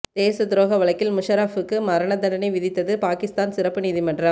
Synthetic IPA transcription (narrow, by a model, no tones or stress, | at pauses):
d̪̥eːsɐd̪ɪɾoːɣɐʋɐɭɐɪkːɪlmʊʂɐɾaːfɯkːɯmɐɾɐɳɐd̪ɐnɐnɐɪʋɪðɪt̪ːɐðɯpaːkɪst̪aːnsɪɾɐpːɯniːðimɐɳɖrɐm